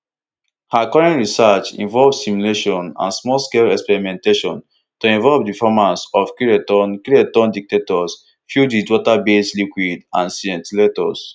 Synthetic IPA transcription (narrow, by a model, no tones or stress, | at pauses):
hakɔɹɛ̃nɹisat͡ʃḭ̃ɱvɔlvsimuleʃɔ̃nã̰nsmɔlskelɛkspɛɹimɛ̃nteʃɔ̰̃n | tuĩnvɔlvdifɔmãsɔfkuɹetɔ̃nkɹetɔ̃ndik̚tetɔs | fjudidwɔtabeslikwidãnsiɛ̃ntiletɔs